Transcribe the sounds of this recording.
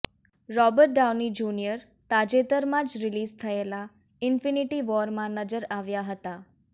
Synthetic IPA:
ɾɔbəɾʈ̚ɖawnid͡ʒunijəɾ | t̪ad͡ʒet̪əɾmãd͡ʒɾɪlizt̪ʰəela | ɪnfiniʈiʋɔɾmãnəd͡ʒəɾaʋjaɦət̪a

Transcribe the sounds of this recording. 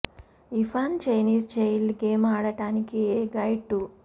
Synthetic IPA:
ipʰaːnt͡ʃɐjniːst͡ʃejlɡeːmaːɽɐʈaːnikieːɡɐjʈːu

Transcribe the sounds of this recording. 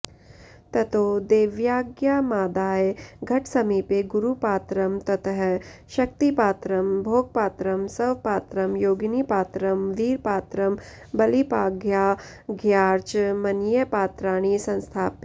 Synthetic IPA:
t̪ɐt̪oːd̪eːʋjaːɡjaːmaːd̪aːjɡʱɐʈʰsɐmiːpeɡʊɾupaːt̪ɾəmt̪ɐt̪ʰəɦʃɐk̚t̪ipaːt̪ɾɐmbʱoːɡ̚paːt̪ɾəmsɐʋpaːt̪ɾɐmjoːɡnipaːt̪ɾəmʋiːɾpaːt̪ɾəm | bɐlipaːɡjaː | ɡʱjaːɾt͡ʃmɐnjəpaːt̪ɾaːɽ̃isɐ̃nst̪ʰaːpe

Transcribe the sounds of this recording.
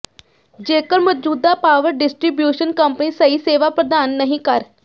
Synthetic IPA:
d͡ʒeːkəɾmɔːd͡ʒuːd̪aːpaːʋəɾɖɪsʈɾibjuːʃənkəmpniːsəiːseːʋaːpɾəd̪aːnːəɦĩkəɾ

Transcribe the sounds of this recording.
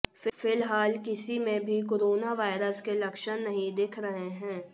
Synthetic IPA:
ffɪlɦaːlkɪsimẽbʱik̬oːɾoːnaʋaːɪɾəskelɐkʃənnɐɦĩd̪eːkʰɾɐɦeɦɛ̃ː

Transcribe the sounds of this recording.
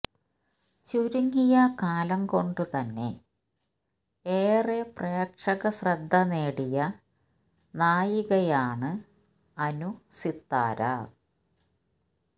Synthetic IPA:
t͡ɕuɾuŋːijɐkaːlɐŋko̞ɳɖɨt̪ɐnːe̞̰ | eːrepreːkʂɐɣɐsrɐd̪ʱːɐneːɽijɐ | naːjiɣɐjaːɳɨ | ɐnusit̪ːa̰ːɾa̰

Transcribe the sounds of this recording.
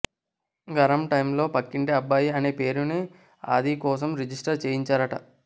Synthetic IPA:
ɡɐɾɐmʈɐjmlo̞ːpɐkːiɳʈiɐbːaːjiɐne̞ːpe̞ːɾuni | a̰ːd̪ikɔːs̬ɐmɾid͡ʒisʈɐɾt͡ʃeːjiɲt͡ʃaːɾɐʈɐ̰

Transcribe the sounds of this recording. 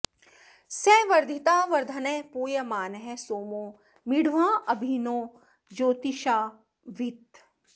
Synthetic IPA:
sɛːʋɐɾd̪ʱit̪aːʋɐɾd̪ʱɐneːpuːjɐmaːnɦesoːmõː | mɪɽ̤ʋãːʔɐbʱinõː | d͡ʒoːt̪iʃaː | ʋit̪

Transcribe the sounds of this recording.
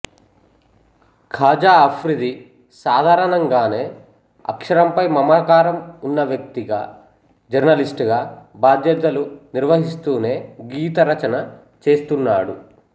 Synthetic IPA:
kʰaːd͡ʒaːɐpʰɾid̪i | saːd̪ʱaːɾɐnɐŋɡaːne̞ː | ɐ̰kʂɐɾɐmpɐjmɐmaːkaːɾɐmunːɐʋjɐk̚t̪iɡa̰ː | d͡ʒɐɾnɐlisʈɡaːbʱaːd̪jɐt̪ɐluniɾʋɐɦist̪uːne̞ːɡiːt̪ɐɾɐt͡ʃɐnɐ | t͡ʃe̞ːst̪unːaːɽu

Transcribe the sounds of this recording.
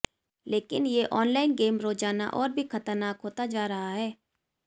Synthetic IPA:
leːkɪnjeʔɔːnlaːɪnɡeːmɾoːd͡ʒaːna̰ʔɔːɾbʱixɐt̪əɾnaːkɦoːt̪ad͡ʒaːɾɐɦaɦɛː

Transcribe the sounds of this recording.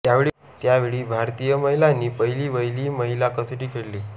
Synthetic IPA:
jaʋeɭi | t̪jaʋeɭiːbʱaɾt̪ijəməɦilanːiːpəjliːʋəjliːməɦilakəsəʈiːkʰeɽliː

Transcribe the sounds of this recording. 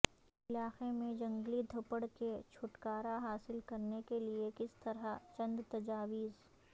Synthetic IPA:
ɪlaːqemẽd͡ʒɐ̃ŋɡlid̪ʱɐpəɽket͡ʃʰʊʈkaːɾaɦaːsɪlkɐɾnekeliekɪst̪ɐɾɦat͡ʃɐ̃nd̪t̪ɐd͡ʒaːʋiːz

